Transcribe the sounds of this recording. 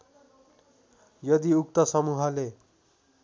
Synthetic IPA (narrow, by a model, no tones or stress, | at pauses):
jʌd̪iuk̚t̪ʌsʌmuɦʌle